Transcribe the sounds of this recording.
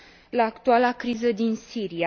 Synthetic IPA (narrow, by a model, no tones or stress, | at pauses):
laːkt̪ualakɾizəd̪insiɾia